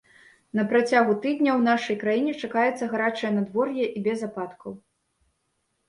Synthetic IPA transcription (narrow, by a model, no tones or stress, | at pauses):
nɐpɾat͡sʲaɣut̪ɨd̪ʲnʲɐwnaʂɐjkɾajinʲɛt͡ʂakajɛt̪sːɐɣaɾat͡ʂɐjɐnad̪vɔrjɛʔibʲɛzapat̪kʰɐw